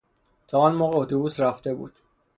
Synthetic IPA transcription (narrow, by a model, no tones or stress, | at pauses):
t̪ʰɒːɒnmoːɣeot̪ʰobuːsɾæft̪e̞bṵːd̪̥